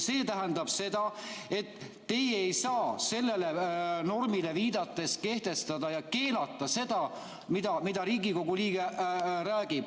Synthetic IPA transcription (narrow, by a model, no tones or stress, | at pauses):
se̞ːt̪æɦænd̪ɑb̥se̞d̪̥ɑe̞t̪ː | e̞jejsɑːse̞lːe̞le̞no̞rmile̞viːd̪̥ɑt̪ːˑe̞ske̞ht̪e̞st̪ɑd̪ɑjɑke̞ːnɑt̪ːˑɑse̞d̪̥ɑ | mid̪̥ɑmid̪̥ɑɾiːɡiko̞ɡuliːɡ̥eræːɡ̥ib̥